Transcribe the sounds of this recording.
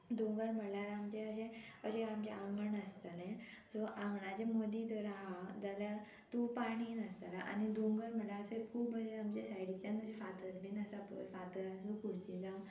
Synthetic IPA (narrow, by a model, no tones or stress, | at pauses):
d̪uŋɡəɾm̤əlaɾamt͡ɕeəɕẽəɕeamd͡ʑeʔaməɳəst̪alẽd͡zoʔamɳad͡ʑemod̪it̪əɾaɦad͡zalja | t̪upaɽ̃inəst̪ala̰ʔa̰nid̪uŋɡəɾməlaəsekʰuːbəɕẽamt͡ɕesajɽit͡ɕãnt̪əɕefat̪əɾbinəsapə̰tfat̪əɾãnsukuɽt͡ɕilam